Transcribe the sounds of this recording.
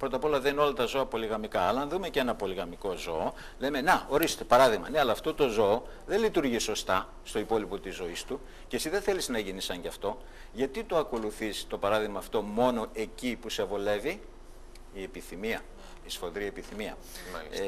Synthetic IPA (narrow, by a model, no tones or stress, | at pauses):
pɾo̞t̪ɐpo̞lɐðenino̞lɐt̪ɐzo̞ɐpo̞liɣɐmikɐːlɐɐnðume̞ce̞nɐpo̞liɣɐmiko̞zo̞ː | le̞me̞neo̞ɾist̪epɐɾɐðiɣmɐ̰ne̞ɐlɐːft̪o̞t̪o̞zo̞ː | ðe̞nlit̪uɾʝiso̞st̪ɐ | st̪o̞ipo̞lipo̞t̪izo̞ist̪u | cesiðe̞θe̞liznɐʝinisɐɲɟɐft̪o̞ | ʝɐt̪it̪oɐko̞luθist̪o̞pɐɾɐðiɣmɐːft̪o̞mo̞no̞ʔe̞cipuse̞vo̞le̞vi | ie̞piθimiɐ | isfo̞ðɾiepiθimiɐ̰